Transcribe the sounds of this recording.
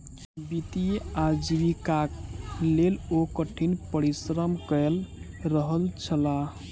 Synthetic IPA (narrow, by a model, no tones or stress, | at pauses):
bit̪iad͡ʒibikaklelokəʈʰinpəɾisɾəmkəlɾəɦəlt͡ʃʰəla